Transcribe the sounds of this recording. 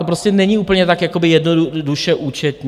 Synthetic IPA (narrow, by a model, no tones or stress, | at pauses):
opɾoscɛnɛɲiuːpl̩ɲɛt̪akjako̞bɪjɛdnoduduʃɛʔuːt͡ʃɛt̪ɲ